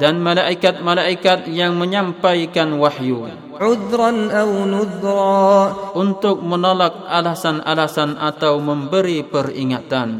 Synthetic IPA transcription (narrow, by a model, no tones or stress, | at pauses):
danmalaʔikat̪̚malaʔikat̪̚jaŋməɲampajkanwahju | ʕʊðɾanʔawnʊðɾˤɑːʔunt̪ʊk̚mənolak̚alasanʔa̰lasanʔat̪awməmbəɾipəriŋat̪an